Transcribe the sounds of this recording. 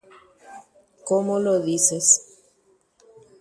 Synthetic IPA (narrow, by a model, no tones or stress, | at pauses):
komoloðises